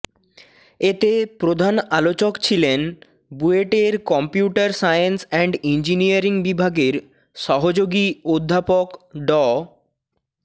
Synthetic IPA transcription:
et̪epɾod̪ʱanalot͡ɕokt͡ɕʰilen | bueʈeɾkɔmpjuʈaɾsajensɛɳɖind͡ʑiniaɾiŋbibʱaɡeɾ | ʃɔɦod͡ʑoɡiod̪ʱːapokɖɔ

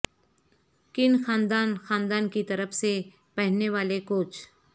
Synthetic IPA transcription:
kɪnxaːnd̪aːnxaːnd̪aːnkit̪ɐɾəfse | pɛɦneʋaːlekoːt͡ʃ

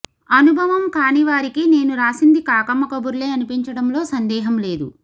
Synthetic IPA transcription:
ɐnubʱɐʋɐmkaːniʋaːɾikine̞ːnuɾaːsind̪ikaːkɐmːɐkɐbuɾle̞ːɐnipiɲt͡ʃɐɽɐmlo̞ːsɐnd̪ɛːɦɐmle̞ːd̪ṵ

